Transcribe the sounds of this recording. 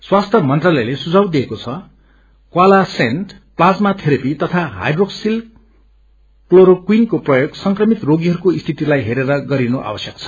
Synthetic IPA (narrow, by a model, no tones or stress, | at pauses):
swast̪ʰʌmʌnt̪ralʌjlesud͡zʱawd̪iekot͡sʰʌ | kwalasenʈ | plad͡zmat̪ʰeɾepit̪ʌt̪ʰaɦa̰jɖroksil | kloɾokwinkoprʌjoɡsʌŋkrʌmit̪roɡiɦʌɾukoist̪ʰit̪ilajɦeɾeɾʌɡʌɾinoʔa̰bʌsjʌk̚t͡sʰʌ̥